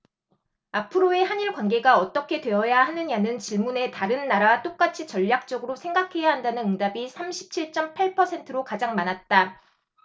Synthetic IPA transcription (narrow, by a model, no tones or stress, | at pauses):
apʰɯɾoe̞haɲiɭkwanɡe̞ɡaʌt͈ʌkʰe̞dwe̞ʌjahanɯɲanɯnt͡ɕiɭmune̞taɾɯnːaɾat͈ok͈at͡ɕʰit͡ɕʌʎːak̚t͡ɕ͈ʌɡɯɾosʰe̞ŋɡakʰe̞jaɦandanɯnɯŋdabisʰamɕʰi̥p̚t͡ɕʰiɭt͡ɕ͈ʌmpʰaɭpʰʌsʰe̞ntʰɯɾokad͡ʑaŋmanat̚t͈a